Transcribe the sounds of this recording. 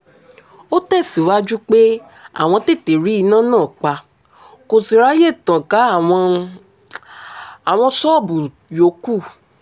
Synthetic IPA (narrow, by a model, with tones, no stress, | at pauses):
o˦tɛ˦˨si˨˦wa˦d͡ʒu˦k͡pe˦ | a̰˨w̃ɔ̃˧te˦˨te˨ɾi˦i˧˦nã˦nãː˦˨k͡pa˧ | ko˧si˨ɾa˨˦je˦˨tã˨kã˨˦˨ | a˨w̃ɔ̃˧sɔ˦˨bu˨ | jo˨˦ku˦˨